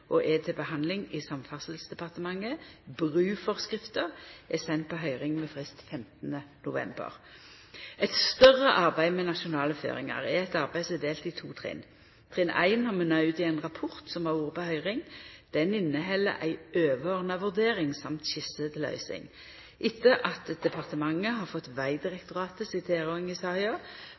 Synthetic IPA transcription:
ʔɔʔɛt̪ʰɪbəhɑnlɪŋɪsɑmfɑsəlsd̪ɛpɑʁt̪əmɑŋːəbʁʉːfɔʁskʁɪft̪əʁɛsɛnt̪̚pɔɦœʏʁɪŋmɛfʁɪst̪fɛmt̪nənʊʋɛ̰mbə̰ʁ | ɛt̪st̪œʁəʔɑʁbæɪmɛnɑʃʊnɑːləfø̰ːʁɪŋɑ̰ʁɛɛt̪ɑʁbæɪsɛd̪eːlt̪ɪt̪ʰuːt̪ʰʁɛ̰ːn | t̪ʰʁɪːnʔæ̰ɪnhɑʁmɛnɑʉt̪ɪæɪnʁɑpʰɔʁt̪sɔmɑʁuːʁəpɔhœʏʁɪŋd̪̥ɛnɪnːəɦɛlːə̰ʔæ̰ɪøːʋəʁnɑʋʉʁd̪eːʁɪŋsɑmt̪ɕɪsət̪ʰɪlœ̰ʏsɪ̰ŋ | ʔɪt̪ːəʔɑt̪d̪ɛpʰɑʁt̪əmɑŋːəɦɑʁfɔt̪ːʋæɪd̪ɪʁɛkt̪ʊʁɑːt̪əsɪt̪ʰeːʁoŋɪsɑʁɪɑ

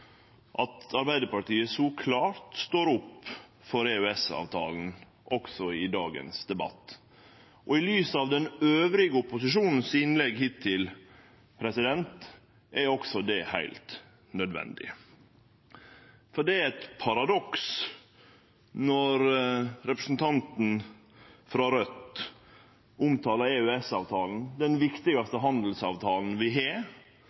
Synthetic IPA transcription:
ʔɑt̪ɑɾbæɪd̪əɾpɑʈiːəsɔkʰlɑːɾt̪st̪oːɾʊpː | fɔɾɛʉɛsɑ̰ːʋt̪ʰɑ̰ːln̩ | ʔɔksɔɪd̪ɑːɡə̰nsd̪ɛbɑ̰t̪ː | ʔɔɪlyːsɑʋd̪ɛnøːʋɾɪɡəʊpʊsɪʂuːnn̩sɪnlɛɡhɪt̪ʰːɪl | pʰɾɛsɪd̪ɛnt̪ | ʔɛɾɔksɔd̪ɛhæ̰ɪlt̪ | nœd̪ʋɛ̰nd̪ɪ̰ | fɔɖɛæɾɛt̪pʰɑɾɑd̪ɔks | nɔɾɾɛpɾəsn̩t̪ʰɑnt̪n̩ | fɾɑɾœt̪ː | ʊmt̪ʰɑːləɾɛœɛsɑːʋt̪ʰɑːln̩d̪ɛnʋɪkt̪ɪɡɑst̪əɦɑnd̪l̩sɑ̰ːʋt̪ʰɑːln̩ʋɪɦe

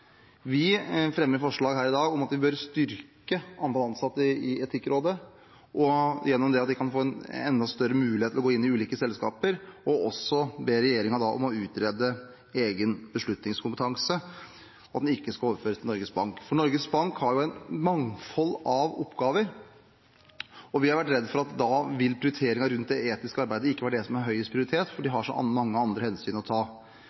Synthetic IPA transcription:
ʋɪfɾɛmːəɾfɔʂɭɑːɡɦæːɾɪd̪ɑːɡɔmɑt̪ʋɪbœɾst̪ʏɾkəɑnd̪ɑlɑnsɑt̪ːəɪɪɛt̪ʰɪkːɾʔoːd̪ə | ʔɔjɛnːɔmd̪ɛɑt̪d̪ɪkʰɑnfoːɛnɛ̰nd̪ɑst̪œɾəmʉːlɪheːɪlɔɡoːɪnːɪʉːliːkəsɛlskɑ̰ːpəɾɔɔsɔbeːɾɛjeːɾɪŋɑd̪ɑʔɔ̰mɔʉːt̪ʰɾeːd̪ə | eːɡənbəʂɭʉt̪nɪŋskʰʊmpət̪ʰɑŋsə | ɔɑt̪d̪ɛnɪkːəskɑoːʋəɾføːɾəst̪ɪɔɾɡəsbɑŋkfɔɳɔɾɡəsbɑŋkhɑɾjʊæɪnmɑŋfɔlːɑʋɔpːɡɑːʋəɾ | ɔʋɪhɑɾʋæʈːɾɛd̪ːfɔɾɑt̪d̪ɑʋɪlːpʰɾɪʊɾʏt̪ʰeːɾɪŋɑɾʉnt̪̚d̪ɛeːt̪ɪskəɑɾbæɪd̪əɪkːʋæːəɖɛsɔmæɾɦœʏəspʰɾɪʊɾɪt̪ʰeːt̪fɔɖɪɦɑʂɔ̰ʔɑ̰nmɑŋːəɑnd̪ɾəhɛnsyːnɔt̪ʰɑː

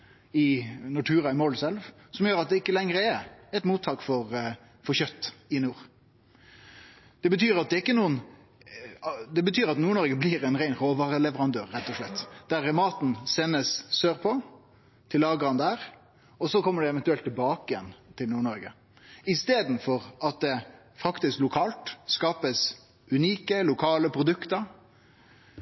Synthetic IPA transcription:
ɪnʊʈʰʉːʁɑɪmoːlsɛlʋ | sɔmjøːɾɑt̪̚d̪ɛɪkːəlɛŋɾəɛɛɪt̪muːt̪ʰːɑːkfɔɾ | fɔɾçœt̪ːɪnuːɾ | d̪̥ɛbət̪ʰyːɾɑt̪̚d̪ɛɪkːənuːən | d̪ɛbət̪ʰyːɾɑt̪nuːɳɔɾɡəbliɾɛnʁæɪnʁoːʋɑːʁəlɛʋəɾɑnd̪øːʁːɛt̪ːɔʂɭɛt̪ːd̪̥æɾmɑːt̪n̩sɛnːəsːøːʁpʰɔ | t̪ʰɪlːɑːɡəɾənd̪æːʁ | ɔsɔkʰɔmːəɖɛɛʋɛnt̪ʉɛlt̪ʰːɪlbɑːkəɪjɛnt̪ʰɪlnuːɳɔɾɡə | ɪst̪eːd̪n̩fɔʁɑt̪̚d̪ɛ | fɑkt̪ɪsklʊkʰɑːlt̪skɑːpəs | ʉniːkəlʊkʰɑːləpʰɾʊd̪ʉkt̪əɾ

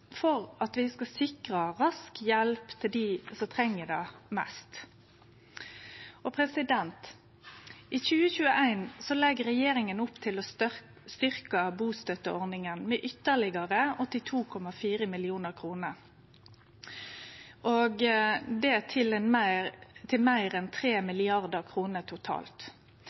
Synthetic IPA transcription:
fɔɾɑt̪ʋɪskɑsɪkʁɑɾɑskjɛlpt̪ʰɪld̪isɔt̪ʰɾɛŋːəd̪ɛmæst̪ | ɔpʰɾɛsɪd̪ɛnt̪ | ʔɪçʉːəçʉːəʔæɪnsɔlɛɡɾɛjeːɾɪŋənʊpːt̪ʰɪlɔ | st̪ʏɾkəbuːst̪œt̪əʔɔʁnɪŋənmɛʔʏt̪ːəʁlɪɡɑʁəɔt̪ɪt̪ʰuːkʰɔmɑfiːʁəmɪlɪuːnəʁkʰʁuːnəɾ | ʔoɡd̪ɛt̪ʰɪlɛnmæt̪ʰɪlmæɪɾɛnt̪ʰɾeːmɪlɪɑʁd̪əʁkʰʁuːnət̪ʰʊt̪ʰɑ̰ːlt̪

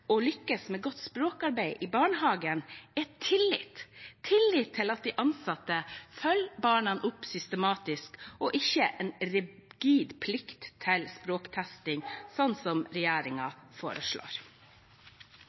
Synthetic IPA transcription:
ɔlʏkːəsmeːɡɔt̪ːspɾoːkɑɾbæɪʔɪbɑːɳəɦɑːɡənɛt̪ʰːɪlːɪt̪t̪ʰɪlːɪt̪ʰːɪlɑt̪̚d̪ɛʔɑnsɑt̪ːəfœlbɑːɳɑnʔʊpːsʏst̪əmɑːt̪ɪskɔʔɪçəʔɛnɾɪɡ̥iːd̪pʰlɪkt̪ʰːɪlspɾoːkt̪ʰæst̪ɪŋsɔnt̪sɔmɾɛjæːɾɪŋɑfo̰ːɾəʂɭo̰ːɾ

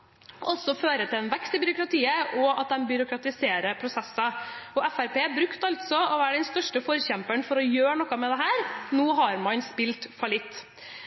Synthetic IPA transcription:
ʔɔsɔføːɾət̪ʰɪlɛnʋɛkst̪ɪbʏɾʊkɾɑt̪ʰiːəɔɑt̪̚d̪ɛmbʏɾʊkɾɑt̪ɪseːɾəpʰɾʊsɛsːɑɔɛfæɾpeːbɾʉkt̪ɑlt̪sɔɔʋæːɾɖɛnst̪œʂʈəfɔɾçɛmpəɳfɔɾɔjøːɳɔkːɑmɛd̪ɛɦæːɾnuːɦɑɾmɑnspɪlt̪fɔlɪt̪ː

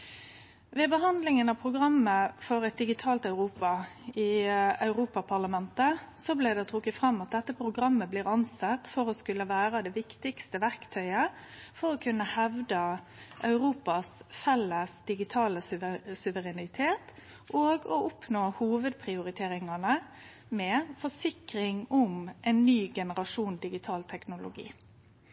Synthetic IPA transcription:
ʋɛbəɦɑnd̪lɪŋənɑpʰɾʊɡʁɑmːəfɔɾɛt̪̚d̪ɪɡɪt̪ʰɑːlt̪ɑʉɾuːpɑɪɑʉɾuːpɑpʰɑʁlɑmɛnt̪əsɔblɛd̪ɛt̪ʰʁʊkːət̪fɾɑmːɑt̪̚d̪ɛt̪ːəpʰɾʊɡɾɑmːəbliːʁɑnsɑt̪ːfɔɾɔskʉlːəʋæːʁəd̪ɛʋɪkt̪ɪkst̪əʋæʁkt̪ʰœʏə | fɔɾɔkʰʉnːəhɛʋd̪ə | ʔɑʉʁuːpɑsfɛlːəsd̪̥ɪɡɪt̪ʰɑːləssʉʋəɾɛnɪt̪ʰeːt̪ | ʔoːɡɔʔʊpnoːhuːʋəd̪̚pʰɾɪʊɾɪt̪ʰeːɾɪŋɑnə | mɛfɔʂɪkɾɪŋʊmʔɛnːyːɡɛnəɾɑʂuːnd̪ɪɡɪt̪ʰɑːlt̪ʰɛknʊlʊ̰ɡḭː

